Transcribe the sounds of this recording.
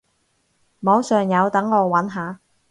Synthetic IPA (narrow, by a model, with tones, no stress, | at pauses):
mɔː˨˧˥wsœː˨ŋjɐ˨˧wt̪ɐ˨˥ŋːɔː˨˧wɐ˨˥nɦaː˨˧